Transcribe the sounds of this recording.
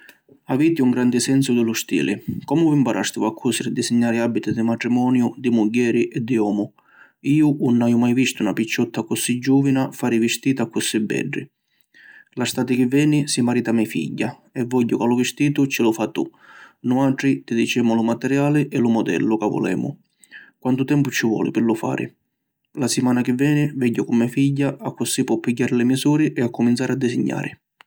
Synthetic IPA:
aviːt̪iuŋɡɾand̪ɪsɛnsʊd̪ɪlʊst̪ḭːlɪ̰kɔmʊvimpaɾʔast̪ɪvakʰːusɪɾɪd̪isiɲːaːɾɪabːit̪ɪd̪ɪmaʈ̪ɾimɔːnjʊd̪ɪmuɟːɛːɾɪʔɛd̪ːiɔːmʊ | iːʊʔunːaːjʊmajvist̪ʊunapit͡ʃːɔt̪ːakʊsid͡ʒːuːvinafaːɾivɪst̪iːt̪akːʊsibːɛ̰ɖːɪ̰ | last̪aːt̪ɪk̟ɪvːɛːnisimaɾiːt̪amːɛjfḭɟːa | ɛvːɔɟːʊkalʊvɪst̪iːt̪ʊt͡ʃːɪlʊfat̪ːṵnʊaʈɾit̪id̪it͡ʃɛːmʊlʊmat̪ɛɾjaːlɪʔɛlʊmɔd̪ɛ̰lːʊkavːɔ̰lɛ̰ːmʊ̰ | kwant̪ʊt̪ɛmpʊt͡ʃːɪvwɔ̰ːlɪ̰pɪɾlʊfa̰ːɾɪ̰ | lasɪmaːnakɪvːɛːnɪvɛɟːʊkʊmːɛfiʎːaʔakːʊsipːɔpːiɟːaːɾɪlɪmisuːɾɪʔɛakːʊmint̪saːɾɪad̪ːɪsɪɲːa̰ːɾɪ

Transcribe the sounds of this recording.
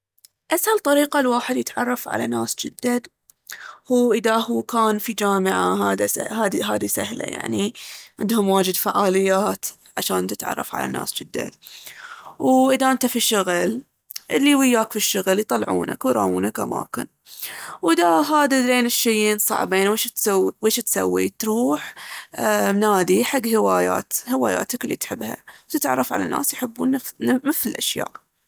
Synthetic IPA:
ʔashalt̪ˤɑɾiːqalwaːħɪd̪jɪt̪ʕɑ̰rˤːɑfʕa̰lana̰ːsd͡ʒɪd̪ːan | huːʔɪðahuːkaːnfid͡ʒaːmɪʕaɦaːd̪haːd̪iɦaːd̪isahla̰ja̰ʕniʕɪ̰nd̪hʊmwaːd͡ʒɪd̪faʕaːlɪjːaːt̪ | ʕaʃaːnt̪ɪ̥t̪ʕɑ̰rˤːɑ̰fʕa̰la̰na̰ːsd͡ʒɪd̪ːa̰n | wʔɪðaʔɪnt̪afiʃʊɣl | ʔɪlːiwɪjːaːkfiʃːʊɣljt̪ˤɑlːʕṵːna̰kwɾˤɑ̰ːʔuːnakʔama̰ːkɪn | wɪd̪aɦaːd̪aleːnɪʃːajeːnsˤɑ̰ʕbeːnweːʃt̪sawweːʃt̪sa̰wːḭt̪ɾuːħ | naːd̪iħaɡːhɪwaːja̰ːt̪hɪwaːja̰ːt̪aklːit̪ħɪbːha̰t̪ɪt̪ʕɑ̰rˤːɑfʕa̰la̰nːʔa̰ːsjħəbːuːnːmɪfɪlʔaʃja̰ːʔ

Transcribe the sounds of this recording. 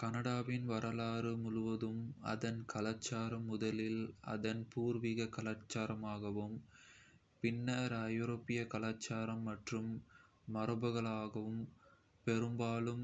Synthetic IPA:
kɐnɐɽaːʋɪnʋɐɾɐlaːɾɯmʊɻʊʋɐðɯmɐ̰ðɐnkɐlaːt͡ʃːaːɾɐmːʊðɐlɪlɐ̰ðɐnpuːɾʋiɣɐkɐlaːt͡ʃːaːɾɐmaːɣɐʋɯm | pɪnːɐɾɐjoɾoːpːɪjɐkɐlaːt͡ʃːaːɾɐmːɐʈrɯmː | ɐɾɯbɐɣɐɭaːɣɐʋɯm | pɛɾɯmbaːlɯm

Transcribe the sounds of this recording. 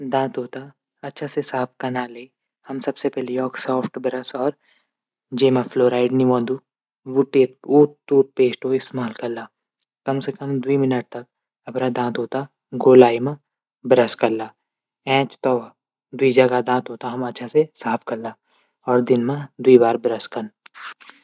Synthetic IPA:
d̪ãːt̪ɦoːt̪a | ɐtːʃʰasesaːpʰkɐɾnale | hɐmsɐbsepɛɦlejɔːksɔːpʰʈbɐɾəsɔːɾ | d͡ʒeːmafʰloːɾaːɪɖniʋãːd̪u | ʋʊʈːeːt̪̚uːʈ̚t̪uːʈ̚peːsʈoɪst̪maːlkɐɾlaː | kɐmsekəmd̪uimɪnəʈ̚t̪ɐk̚ | ɐpɾad̪ãːt̪ɦoːt̪a | ɡoːlaːimã | bɐɾəskɐɾlaː | ɛ̃ːt͡ʃt̪ɔː | d̪wid͡ʒɐɡad̪ãːt̪ɦoːt̪aɦɐmɐtːʃʰasesaːpʰkɐɾlaː | ɔːɾd̪ɪnmãd̪uibaːɾbɐɾəskɐn

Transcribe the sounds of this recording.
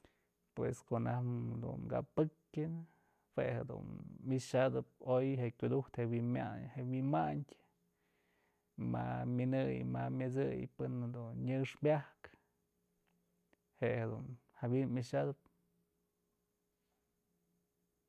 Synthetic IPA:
pwḛskoʔnahd̪ṵnɡa̰pɨkʲɨn | hwehed̪ṵnːɨʂad̪ɨp̚ojɦeʔkʲud̪uht̪hewima̰hewimaɲdʲ | mamʲɨnɨjmamʲɨt͡sɨjpɨnhad̪unɲɨʂbʲahk | hehed̪unhabinmʲɨʂad̪ɨp̚

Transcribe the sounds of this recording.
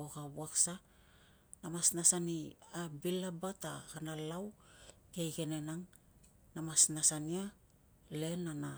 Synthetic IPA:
oɡabuaksa | namasnasaniabilabatahanalawkejɡe̞ne̞naŋ | namasnasania | le̞nana

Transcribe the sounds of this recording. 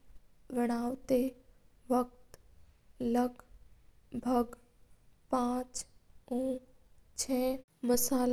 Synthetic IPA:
ʋəɽ̃aːwt̪e | ʋək̚t̪ | ləɡ | bʱəɡ | pãːt͡ʃũː | t͡ʃʰɛː | bəsaːl

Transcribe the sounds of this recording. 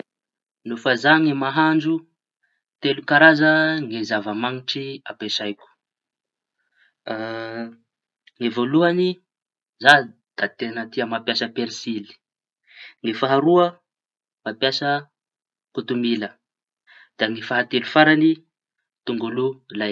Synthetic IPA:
nufazaŋimaɦaɳd͡ʒu | t̪elukaɾazəŋezavəmaŋiʈ͡ʂiapesajku̥ | ŋevoluani | za | d̪̥at̪enət̪iəmapjasəpeɾsili̥ | ŋifaɦaɾuə | mapjasə | kut̪umilə | d̪̥aŋifaɦat̪elufaɾani | t̪uŋɡululaj

